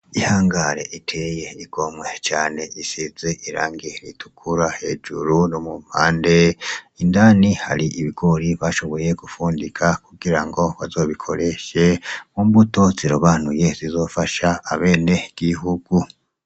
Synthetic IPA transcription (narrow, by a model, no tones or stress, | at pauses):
ihaːŋɡaɾe̞̰ʔitʰejeiɡ̥o̞mwet͡ʃaːne̞isize̞ʔiɾa̰ːŋɡiɾḭtu̥kʰuɾahe̞d͡ʒuɾunomumpaːnde̞indaːniha̰ɾiʔiβiɡo̞ɾiβaʃo̞βo̞je̞ɡufuːndikʰakuɡiɾaŋɡo̞βazo̞βikʰo̞̰ɾe̞ʃe̞mumbuto̞ziɾoβaːnuje̞zizo̞faʃaːβeːne̞ɡ̥iɦuɡ̥u